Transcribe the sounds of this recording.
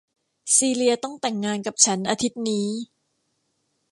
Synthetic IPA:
siː˧li˧ɐt̪ɔ˥˩ŋt̪ɛ˨˩ŋːaː˧nka˨˩p̚t͡ɕʰa˦˥nʔaː˧t̪ʰi˦˥t̪̚niː˦˥

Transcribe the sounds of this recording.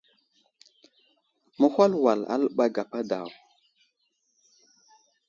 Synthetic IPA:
mə˦hʷwa˦lwa˨la̰˦lɓa˦ɡa˨pa˦da̰˨w

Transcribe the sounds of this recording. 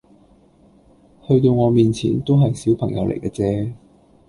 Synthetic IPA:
hɵ˧ɥt̪o˧wŋɔː˨˧miː˨˩nt͡sʰḭː˨˩nt̪o˥wɦɐ˨jsiː˨˥wpʰɐ˨˩ŋjɐ˨˧wlḛ˨˩jkɛ˧t͡sɛː˨˧

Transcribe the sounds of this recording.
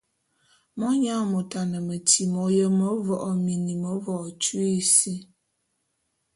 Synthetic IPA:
mɔ˦ɲa˦˨mo˨ta˨nə˨mə˨ti˨mɔ˨˦jə˦mo˦vɔ˨ʔɔ˨mi˨ni˨mo˨˦vɔ˨ɔ˨t͡ʃu˦e˦si˦

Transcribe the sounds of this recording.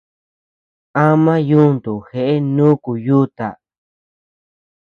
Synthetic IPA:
ã˦mã˦ju˦nd̪u˨xe˧ʔe˦nũ˦ku˨ju˦t̪a̰˨

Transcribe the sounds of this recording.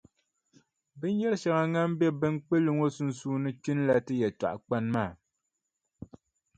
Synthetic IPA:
bɨ˦n˦jɛ˦ɾɨ˦ʃa˨ŋa˨ŋa˦m˦bɛ˦bɨ˦n˦k͡pe˦lu˦ŋo˦su˦n˦suː˦nɨ˦t͡ʃi˦n˦la˦tɨ˦jɛ˨ta̰˨ʔa˨k͡pa˦nmaː˦˨

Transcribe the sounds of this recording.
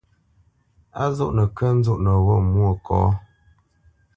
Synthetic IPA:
a˦zɔ˦ʔnə˨kə˦n̩˦zu˦˨ʔnə˨wɔ˦˨mwo˦˨kʰɔ̰ː˨˦

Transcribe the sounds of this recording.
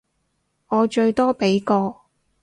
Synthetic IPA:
ŋɔː˨˧t͡ʃɵ˧ɥt̪ɔː˥pe˨˥jkɔː˧

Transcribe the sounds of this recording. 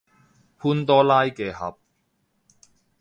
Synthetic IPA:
pʰuː˥nt̪ɔː˥laː˥jkɛː˧hɐ̰˨˥p̚

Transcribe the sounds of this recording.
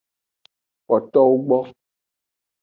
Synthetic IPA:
k͡pɔ˨t̪ɔ˦wu˦ɡ͡bɔ˦

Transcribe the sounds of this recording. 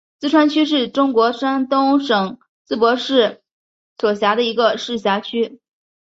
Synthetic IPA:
t͡sɹ̩˥˧ʈ͡ʂʰwa˥nt͡ɕʰy˥ʂ̬ɻ̩˥˩ʈ͡ʂʊ˥ŋkwɔ˧˥ʂa˥nt̪ʊ˥ŋʂɤ˨˩ŋ | t͡sɹ̩˥˩pwɔ˧˥ʂɻ̩˥˩ | swɔ˨˩ɕja˧˥d̪ə˧i˧˥ɡə˧ʂɻ̩˥˩ɕja˧˥t͡ɕʰy˥

